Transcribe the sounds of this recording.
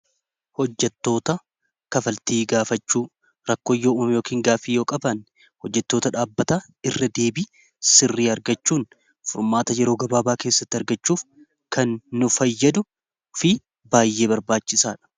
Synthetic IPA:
hɔd͡ʒːɛt̪ːo̞ːt̪ɐ | kɐfɐlt̪iːɡaːfɐt͡ʃːuː | ɾɐkːoːjːoːʊːmjo̞ːkiːŋɡaːfiːjo̞ːkʼɐbɐn | hɔd͡ʒːɛt̪ːo̞ːt̪ɐᶑaːbːɐt̪a | ɪrːɐd̪eːbiː | sɪrːiːɐɾɡɐt͡ʃːuːn | fʊɾmaːt̪ɐjɛɾo̞ːɡɐbaːbaːke̞ːsːɐt̪ːɪɐɾɡɐt͡ʃːuːf | kʰɐnːʊfɐjːɐd̪ʊ | fɪ | baːjːe̞ːbɐɾbaːt͡ʃːɪsaːᶑɐ̥

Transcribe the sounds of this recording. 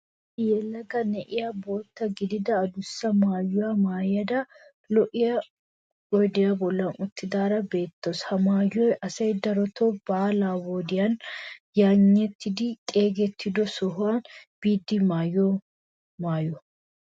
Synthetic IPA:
jɛlɐɡɐnɛʔɪjaboːt̪ːɐɡɪd̪ɪd̪ɐːd̪ʊsːɐmaːjːʊwamaːjɐd̪ɐ | lɔʔɪjɐ | wɔjd̪ɪjɐbɔlːɐnʊt̪ːɪd̪aːɾɐbe̞ːt̪ːoshɐmaːjːɔjʔɐsɐjd̪ɐɾɔt̪ʰobaːlaːboːd̪ɪjɐnjaːɲːɛt̪ʰːɪd̪ɪt̪ʼe̞ːɡɛt̪ʰːɪd̪ɔsɔɦʊanb̥iːd̪ːɪmaːjɔ | maːjɔ

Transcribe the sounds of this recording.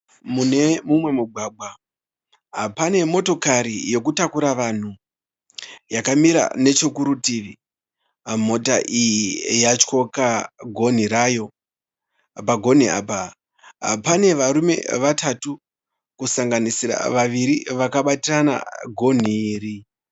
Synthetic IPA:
mune̞mumwe̞muɡʱwaːɡ͡bʱa | ɦapane̞mo̞to̞kaɾijo̞kutakuɾaʋan̤u | jakamiɾa̰ne̞t͡ʃo̞kuɾutiʋi | m̤o̞taʔijijat͡ʃko̞kaɡʱo̞n̤iɾajo̞ | paɡʱo̞n̤ia̰ːpa | ɦa̰pane̞ʋaɾume̞̰ʋatʰatu | kusaŋɡanisira̰ʋaʋiɾiʋakaɓatirana̰ɡʱo̞n̤iːɾi

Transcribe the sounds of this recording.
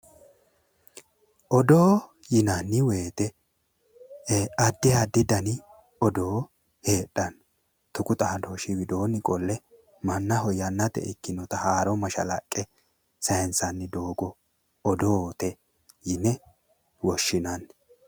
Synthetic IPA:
ʔɔd̪o̞ː | jɪnɐnːɪwe̞ːt̪ɛ | ɐd̪ːɪhad̪ːɪd̪ɐnɪ | ɔd̪o̞ː | he̞ːɗːɐn | t̪ʊkʊt̪ʼɐɐd̪oʃɪwɪd̪oːnɪkʼɔlːɛ | mɐnːɐɦɔjɐnːɐt̪ɛ̰ʔɪkːɪnɔt̪ɐhaːɾɔmɐʃɐ̰lɐ̰kʼːɛ | sɐjɛnsɐnːɪd̪oːɡɔ | ɔd̪ot̪ɛ | jɪnːɛ | wɔʃːɪnɐn

